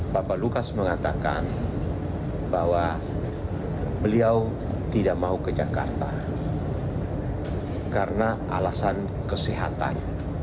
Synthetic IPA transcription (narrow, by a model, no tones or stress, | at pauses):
bapalukasməŋat̪aka̰n | bawa | bəliaw | t̪idaʔ̚maukəd͡ʒaka̰rt̪a̰ | kaɾəna | alasan | kəsiɦat̪a̰n